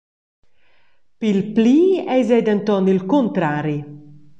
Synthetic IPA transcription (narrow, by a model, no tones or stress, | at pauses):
pilpliːɛjzɛd̪ant̪ɔnilkont̪ɾaːɾi